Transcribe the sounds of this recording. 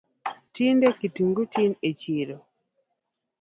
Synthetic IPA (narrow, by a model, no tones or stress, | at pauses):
tindekituŋɡotinet͡ʃiɾo